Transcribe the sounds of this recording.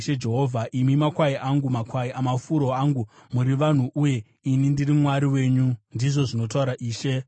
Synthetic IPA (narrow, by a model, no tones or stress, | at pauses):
ʃed͡ʒe̞ɦovʱaʔimimakwaiʔaŋɡumakwaiʔamafuɾo̞aŋɡumuɾiʋan̤uʔuje̞ | inindirimwaɾiwe̞ːɲundiʐo̞ʐino̞t̬auɾaʔiːʃe̞